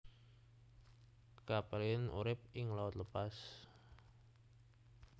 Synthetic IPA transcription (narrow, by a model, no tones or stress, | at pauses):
kapɛliɪnʔṵɾɪp̚ɪŋlawʊt̪ləpas